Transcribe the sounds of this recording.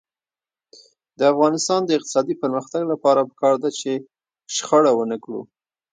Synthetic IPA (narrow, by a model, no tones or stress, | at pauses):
d̪əafɣɑnɪst̪ɑnd̪əɪq̚t̪ɪ̥sɑd̪ipəɾməxt̪aɡlapɑɾapə̥kɑɾd̪at͡ʃe | ʃxəɽawənəkɽṵ